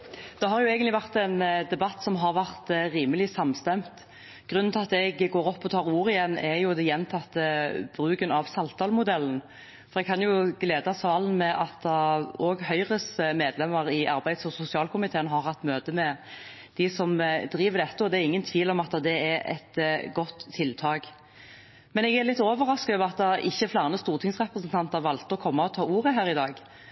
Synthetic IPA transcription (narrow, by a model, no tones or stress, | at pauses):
d̪̥ɛɦɑɾjʊɛːɡənlɪʋæʁt̪ɛnd̪ɛbɑt̪ːsɔmɦɑɾʋæʁt̪ɾiːməlɪsɑmst̪ɛmt̪ | ɡ̥ʁʉnːnʰɑt̪ɛɡɡoːɾɔpːɔt̪ʰɑːʁuːɾɪjɛnːɛɾjʊd̪ɛjɛnt̪ʰɑt̪ːəb̥ɾʉːkənɑʋsɑlt̪ʰɑːlmʊd̪ɛln̩ | fɔɾɛɡ̚kʰɑnjʊɡleːd̪ɑsɑːln̩mɛʔɑt̪ɔːɡhœʏʁəsmeːd̪lɛmːəʁɪʔɑɾbæɪd̪sɔsʊsɪɑːlkʰʊmɪt̪ʰeːənɦɑɾhɑt̪ːmøːt̪əmɛ | d̪̥ɪsɔmd̪ɾiːʋəʁd̪ɛt̪ːəɔd̪ɛæɾɪŋːənt̪ʰʋiːlɔmɑt̪ːd̪ɛɛɾɛ̰t̪ɡɔt̪ʰːɪlt̪ʰɑːɡ | mɛnɛɡæɾlɪt̪ːoːʋəʁɑskœːʋɑt̪̚ːd̪ɑʔɪçːəflɑːʁnəst̪uːʁt̪ʰɪŋsʁɛpɾəsənt̪ʰɑnt̪əʁʋɑlt̪əɔkʰɔmːɑɔt̪ʰɑːuːʁəɦæːɾʁɪd̪ɑːɡ